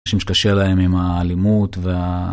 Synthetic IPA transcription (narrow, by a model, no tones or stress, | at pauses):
ʃimʃe̥kaʃelae̞mimaːlimut̪vea